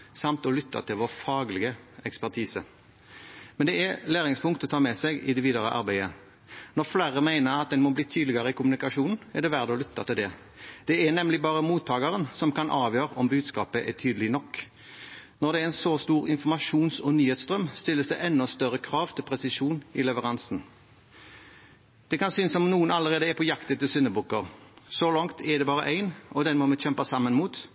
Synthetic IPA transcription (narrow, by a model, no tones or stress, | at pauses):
sɑmt̪ɔlʏt̪ʰːɑ̰t̪ʰɪlʋɔʁfɑːɡlɪɡəɛkspæʁt̪ʰiːsə | mɛnd̪ɛælæːɾɪŋspʰʊŋkt̪ɔt̪ʰɑːmɛsɛɡɪd̪ɛʋiːd̪əʁəʔɑ̰ɾbæɪə | nɔʁflæʁəmæɪnəɾɑt̪̚d̪ɛnmɔbliːt̪ʰyːd̪lɪɡɑɾəɪkʊmʉnɪkɑʂuːnn̩ɛʁd̪ɛʋæʁd̪əɔlʏt̪ːɑt̪ɪld̪ɛ | d̪̥ɛænɛmlɪbɑːʁəmuːt̪ʰːɑːɡɑɾənsɔmkɑnʔɑːʋjøːɾəʔɔmbʉːd̪skɑːpəʔɛt̪ʰyːd̪əlɪnɔkː | nɔʁd̪ɛɛɪnsɔst̪uːʁɪnfɔmɑʂuːnsɔnyːheːt̪sd̪ʁœmst̪ɪlːəsd̪ɛ̰ʔɛnːɔst̪œʁəkʰɾɑːʋt̪ʰɪlpʰʁɛsɪʂuːnɪlɛʋəʁɑnsn̩ | d̪̥ɛkɑnsyːnəsɔmnuːənɑləʁeːd̪əɛpʰɔjɑkt̪ət̪ɪlsʏnəbukːəʁsɔlɑŋt̪ʰɛd̪ɛbɑːʁə̰ʔæɪnʔɔd̪ɛnmɔmɛçɛmpɑsɑmːənmuːt̪